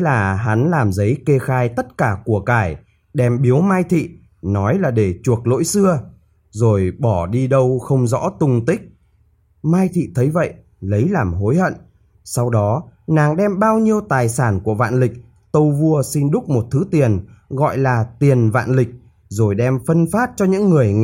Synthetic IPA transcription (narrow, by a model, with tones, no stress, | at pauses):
laː˨˩ɦa˨˦nlaː˨˩mzə˨˦jke˧xaː˧jt̪ə˦˥t̚kaː˧˩ku˧˩əkaː˧˩j | ɗɛ˧mɓi˨˦əwmaː˧jt̪ʰḭ˧˨ | nɔ˨˦jlaː˨˩ɗe˧˩t͡ɕu˨˩ək̚lo̰˧˥jsɨ˧ə | zo˨˩jɓɔ˧˩ɗi˧ɗə˧wxə˧wŋ͡mzɔ̰˧˥t̪ʊ˧ŋ͡mt̪ï˦˥k̟̚ | maː˧jt̪ʰḭ˧˨t̪ʰə˨˦jvə̰˧˨j | lə˨˦jlaː˨˩mɦo˨˦jhə̰˧˨n | sa˧wɗɔ˨˦naː˨˩ŋɗɛ˧mɓaː˧wɲi˧əwt̪aː˨˩jsaː˧˩nku˧˩əva̰ː˧˨nlï˨˩k̚ | t̪ə˧wvu˧əsi˧nɗʊ˦˥k͡p̚mo˨˩t̚t̪ʰɨ˨˦t̪i˨˩ənɣɔ̰˧˨jlaː˨˩t̪i˨˩ənva̰ː˧˨nlï˨˩k̟̚ | zo˨˩jɗɛ˧mfə˧nfaː˦˥t̚t͡ɕɔ˧ɲɨ̰˧˥ŋːɨ˨˩əj